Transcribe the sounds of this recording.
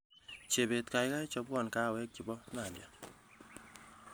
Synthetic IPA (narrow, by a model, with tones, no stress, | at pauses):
t͡ʃe˨be˨tka˨jka˦jt͡ʃɔ˧bwɔ˦˨nka˦˨wɛ˦k̚t͡ʃi˨bɔ˦na˨lja˨